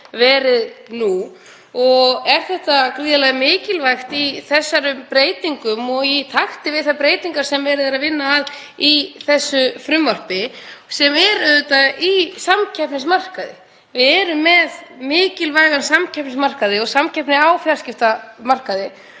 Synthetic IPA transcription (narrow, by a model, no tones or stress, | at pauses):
vɛːɾɪðnu | ɔɣɛɾ̥θɛht̪akɾiːðalɛɣmɪːcɪlvajxt̪iθɛsːaɾʏmpɾeːjt̪iŋkʏmɔɣjit̪ʰaxt̪ɪvɪðθapɾeːjt̪iŋkaɾ̥sɛmvɛːɾɪðaɾaðvɪnːaːð | iθɛsːʏfɾʏmvar̥pɪsɛmɛɾʏðʏt̪aisamcʰɛpnɪsmar̥kaðɪ̰ | vɪðɛɾʏmːɛðmɪːcɪlvajɣansamcʰɛpnɪsmar̥kaðɪɔɣsamcʰɛpnɪaːwfjaɾscɪft̪amar̥kaðɪ